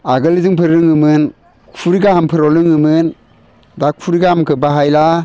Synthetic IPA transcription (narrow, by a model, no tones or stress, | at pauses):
aɡɯlɯzɯŋpʰɯɾɾɯŋɯmɯn | kʰuɾiɡahampʰɯɾɔlɯŋɯmɯn | dakʰuɾiɡaamkʰɯbaɦajla